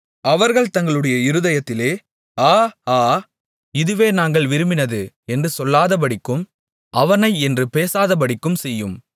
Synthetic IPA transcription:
ɐʋɐɾɣɐɭt̪ɐŋɡɐɭɯɽɐjɐɪɾɯðɐjɐt̪ːɪleː | aːaː | ɪðɯʋeːnaːŋɡɐɭʋɪɾɯmɪnɐðɯ | ɛndrɯsɔlːaːðɐp̬ɐɽɪkːɯm | ʔɐʋɐnɐɪɛndrɯpeːsaːðɐp̬ɐɽɪkːɯmsɛjːɯm

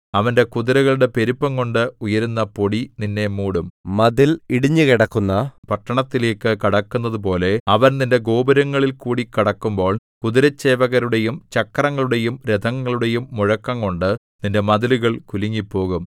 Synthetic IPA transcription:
ɐʋɐnde̞kuðiɾɐɣɐɭɽe̞pe̞ɾupːɐŋko̞ɳɖɨujɐɾunːɐpo̞ɽininːe̞muːɽummɐðiliɽiɲːɨkiɽɐkːunːɐpɐʈːɐɳɐt̪ːile̞ːkːɨkɐɽɐkːunːɐðupo̞ːle̞ɐʋɐnninde̞ɡo̞ːbɐɾɐŋːɐɭilkuːɽikiɽɐkːumbo̞ːɭ | kuðiɾɐt͡ɕːeːʋɐɣɐɾuɽe̞jumt͡ɕɐkːɐrɐŋːɐɭuɽe̞jumɾed̪ʱɐŋːɐɭuɽe̞jumːuɻɐkːɐŋko̞ɳɖɨ | ninde̞mɐðiluɣɐɭkuliŋːipːo̞ːɣum

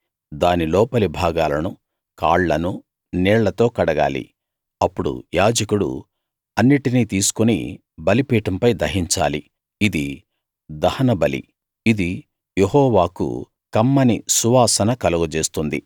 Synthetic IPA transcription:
d̪aːnilɔːpɐlibʱaːɡaːlɐnu | ka̰ːɭːɐnu | nɛːɭːɐt̪o̞ːkɐɽɐɡa̰ːlḭ | ɐpːuɽṵjaːd͡ʒɐkuɽṵ | ɐnːiʈiniːt̪iːsu̥kunḭ | bɐlipiːʈɐmpɐjd̪ɐɦiɲt͡ʃa̰ːli | id̪i | d̪ɐhɐnɐbɐlḭ | id̪i | jeɦɔːʋaːkṵ | kɐmːɐnisuʋaːsɐnɐkɐluɡut͡ʃe̞ːst̪und̪ḭ

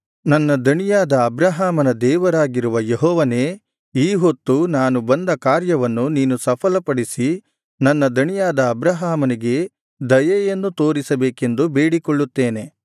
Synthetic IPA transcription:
nɐnːɐd̪ɐɳijaːd̪ɐːbɾɐɦaːmɐnɐd̪ɛːʋɐɾaːɡiɾuʋɐjeɦɔːʋɐne̞ː | iːɦot̪ːunaːnubɐnd̪ɐkaːɾjɐʋɐnːuniːnusɐpʰɐlɐpɐɽisi | nɐnːɐd̪ɐɳijaːd̪ɐːbɾɐɦaːmɐniɡe̞ | d̪ɐjɐjɐnːut̪o̞ːɾisɐbeːke̞nd̪ube̞ːɽikɔɭːut̪ːeːne̞

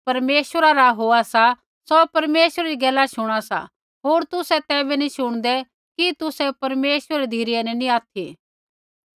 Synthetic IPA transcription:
pɐɾmeːʃəɾaɾaɦoːasa | sopɐɾmeːʃəɾaɾiɡɛːlːaʃʊɽ̃asa̰ | ɦoːɾt̪ʊsɛt̪ɛːbɛniʃʊɽ̃d̪ɛ | kit̪ʊsɛpɐɾmeːʃwəɾɾid̪ʱiːɾɪjɛnɛniaːt̪ʰi

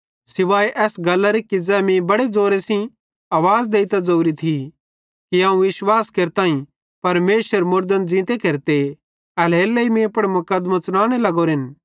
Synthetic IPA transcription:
sɪʋaːjʔɛːsɡɐlːaɾekid͡zɛːmĩbɐɽed͡zoːɾesĩ | ɐːʋaːd͡zd̪eːit̪ad͡zouɾit̪ʰi | kiãːũʋɪʃwaːskeːɾt̪ãːĩ | pɐɾmeːswəɾmʊɾd̪ənd͡zĩːt̪ekeɾt̪e | ɐlɦeːlːɐimẽpɐɽmʊkəd̪mãt͡sʊñaːɽ̃elɐɡoɾɦɪn

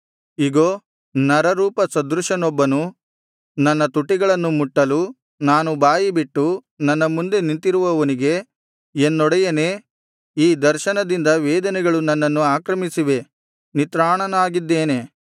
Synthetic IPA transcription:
iɡoː | nɐɾɐɾuːpɐsɐd̪ɾuʂɐnɔbːɐnu | nɐnːɐt̪uʈːiɡɐɭɐnːumuʈːɐlu | naːnubaːjibiʈːu | nɐnːɐmund̪e̞nint̪iɾuʋɐʋɐniɡe̞ | enːɔɽɛjɐne̞ | iːd̪ɐɾʃɐnɐd̪ind̪ɐʋɛːd̪ɐnɛɡɐɭunɐnːɐnːuaːkɾɐmisiʋe̞ | nit̪ɾaːɳɐnaːɡid̪ːeːne̞

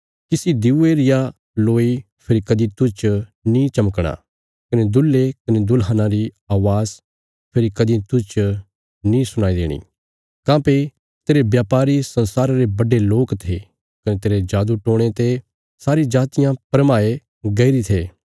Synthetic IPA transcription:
kɪsid̪ɪueɾɪja | loːi | pʰɪɾikɐd̪it̪ʊt͡ʃnĩt͡ʃɐməkɽ̃a̰ | kɐned̪ʊlːekɐned̪ʊlɦənãɾi | aːʋaːz | pʰɪɾikɐd̪it̪ʊt͡ʃ | nĩsʊɽ̃aːid̪ḛːɽ̃ḭː | kãːpe | t̪eːɾebjaːpaːɾisɐ̃nsaːɾaɾebɐɖeloːkt̪ʰe | kɐnet̪eːɾed͡ʒaːd̪uʈõːɽ̃et̪e | saːɾid͡ʒaːt̪ɪjãpɾmaːe | ɡɐiɾit̪ʰeː

